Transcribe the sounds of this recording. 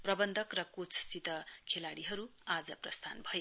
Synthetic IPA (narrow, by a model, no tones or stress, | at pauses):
prʌbʌnd̪ʱʌkrʌkot͡sʰsit̪ʌkʰelaɽiɦʌɾuad͡zʌprʌst̪ʰa̰nbʱʌje